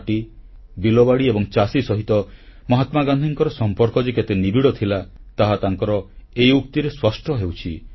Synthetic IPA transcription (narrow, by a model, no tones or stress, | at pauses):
ʈi | bilɔbaɽiebɔŋt͡ʃasisɔɦit̪ɔmɔɦat̪maɡand̪ʱiŋkɔɾɔsɔmpɔɾkɔd͡ʒeket̪enibʱiɽɔt̪ʰilat̪aɦat̪aŋkɔɾɔejukt̪iɾeswɔsʈʰɔɦewt͡ʃʰi